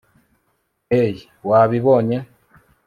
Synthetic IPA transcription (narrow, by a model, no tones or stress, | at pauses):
eji | waβiβoɲe